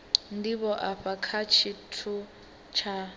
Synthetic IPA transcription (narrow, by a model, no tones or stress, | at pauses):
ndiβɔʔaɸakʰat͡ʃʰitʰu | t͡ʃʰa